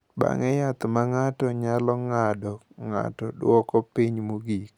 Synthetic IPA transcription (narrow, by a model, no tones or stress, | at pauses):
ba̰ŋɛjat̪maŋatɔɲalɔŋadɔ | ŋa̰tɔdwɔkɔpiɲmuɡik